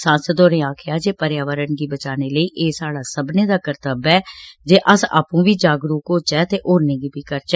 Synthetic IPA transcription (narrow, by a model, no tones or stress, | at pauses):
sãːsəd̪oːɾẽːaːkʰjaːd͡ʒeːpəɾjaːʋəɾənɡiːbət͡ʃaːneːləiːʔeːsaːɽaːsəbneːd̪aːkəɾt̪əbɛːd͡ʒeːʔəsa̰ːpũːbiːd͡ʒaːɡɾuːkoːt͡ʃɛːt̪eːʔoːɾnẽːɡiːbiːkəɾt͡ʃɛ